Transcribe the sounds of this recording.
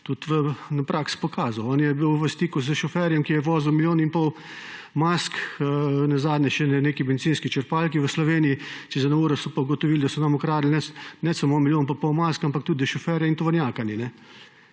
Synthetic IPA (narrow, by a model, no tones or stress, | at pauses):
t̪ut̪ʋənapɾʔakspɔkaːzɐwɔnjɛbiwʋəst̪iːkuzəʃɔfɛɾjɛmkijɛʋɔːzuwmiljoːninpɔw | mask | nazaːd̪nʲɛʃɛnɛneːkimɛd̪it̪t͡ssiːnskit͡ʃəɾpaːlkiʋəslɔʋeːnijit͡ʃɛzad̪nauːɾɔsɔpauɡɔt̪ɔʋiːld̪asɔnamɔkɾaːd̪lnɛnɛsɐmoːmiljoːnpapɔwmaskampak̚t̪ud̪d̪əʃɔfɛɾjaint̪ɔʋɔɾnʲjaːkaninɛ